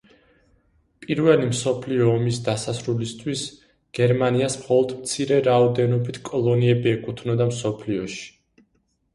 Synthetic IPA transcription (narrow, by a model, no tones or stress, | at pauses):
pʼiɾvɛlimsɔpʰliɔːmisd̪asasɾulist̪ʰwis | ɡ̥ɛɾmaniasmχɔlˠɔd̪mt̪sʰiɾɛɾaɔd̪ɛnɔbit̪ʰkʼɔlˠɔniɛbiɛkʼut̪ʰnɔd̪amsɔpʰliɔʃi̥